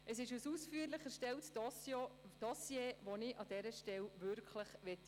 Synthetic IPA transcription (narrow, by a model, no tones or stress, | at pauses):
əsɪʃusuːsfyːɾlɪχæɾʃtɛltsod̥ɑsjeːvonɪʔɑdɛɾəʃtɛlvʏɾkʰləχvɛt